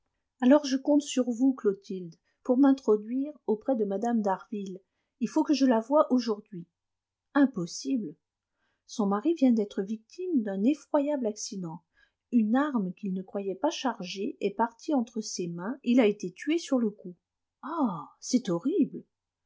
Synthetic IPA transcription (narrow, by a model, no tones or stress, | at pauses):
alɔʁʒəkɔ̃t̪syʁvuklot̪ʰild̪ | puʁmɛ̃t̪χɔd̪ɥiʁopχɛd̪əmad̪amd̪aʁvil | ilfokəʒəlavwaʔoʒuʁd̪ɥi | ɛ̃pɔsibl | sɔ̃maʁivjɛ̃d̪ɛt̪χəvik̚t̪ʰimd̪ɛ̃nefχwajablaksid̪ɑ̃ | ynaʁmkʲilnəkχwajɛpaʃaʁʒeɛpaʁt̪ʰiɑ̃t̪χəsemɛ̃ilaet̪et̪ɥesyʁləku | asɛt̪ɔʁibl